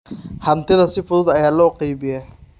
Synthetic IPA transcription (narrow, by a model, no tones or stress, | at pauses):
hɐnt̪ʰɪðɐsɪfʊðʊd̪ɐjaːlɔːqɑjβɪjɛ